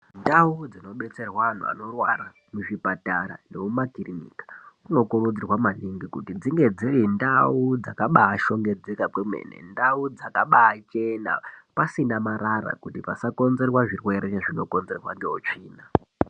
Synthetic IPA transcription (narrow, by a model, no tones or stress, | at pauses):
ndaud͡zino̞ɓe̞t͡se̞rwaan̤ṵa̰no̞rwara | muʐipataɾa̰nemumaɡʱirinḭkḁuno̞korud͡zirwamaniŋɡikutid͡ziŋɡe̞d͡zirindaud͡zakaɓaːʃo̞ŋɡe̞d͡zekakwemḛnḛndaud͡zakaɓaːt͡ʃe̞na̰pasinamaɾaɾa̰kutipasako̞nze̞rwaʐirwe̞ɾeneʐino̞ko̞nze̞rwandeot͡ʂiːna